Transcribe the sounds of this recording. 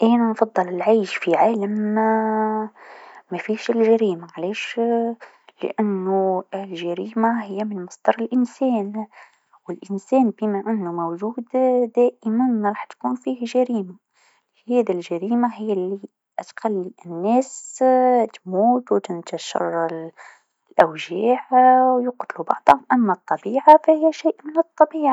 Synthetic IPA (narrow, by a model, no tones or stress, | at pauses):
ʔæːnænfɑd̪ˤːɨlɪlʕaːʃfiʕaːlam | æfiːʃɪlʒaɾiːmaʕleːʃ | lɪ̰ʔanːuɪlʒaɾiːmaɦɪjːæmɪnmɑsˤd̪ɑɾˤɪlʔɪnsɛːn | wɪlʔɪnsɛːnbiːmæʔɪnːumowʒuːd̪d̪æːʔɪmanɾˤɑːħt̪kuːnfiːhʒaɾiːma | hæːd̪ilʒaɾiːmaɦɪjːalːi | ʔt̪xalːiʔɪnːæːs | t̪muːt̪wt̪ɪnt̪aʃɑ̰rˤːɑl | lʔawʒaːʕwjʊqt̪lubɑʕd̪ˤʊmʔamːat̪ˤːɑbiːʕafahɪjːaʃiːʔmɪnɨt̪ˤːɑbiːʕa